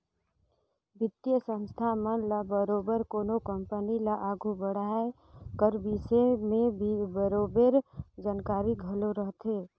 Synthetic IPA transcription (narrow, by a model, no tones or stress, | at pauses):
bɪt̪jəsə̃nst̪ʰamənlabəɾobəɾkoːnokəmpənilaʔaːɡʱubəɽae | kəɾbisemẽbʱibəɾoːbeɾd͡ʒankaːɾiɡʱəloɾəɦt̪ʰe